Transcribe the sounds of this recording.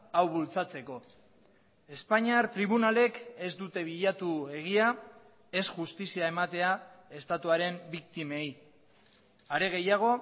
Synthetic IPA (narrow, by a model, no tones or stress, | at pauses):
awβult͡sat͡se̞ko̞ | e̞spaɲiaɾt̪ɾiβ̞unale̞ke̞zd̪ut̪e̞β̞iʎat̪ue̞ɣ̞ia | e̞sʝust̪isiae̞mat̪e̞ae̞st̪at̪uaɾe̞mbik̚t̪ime̞j | aɾe̞ɣ̞e̞jaɣ̞o̞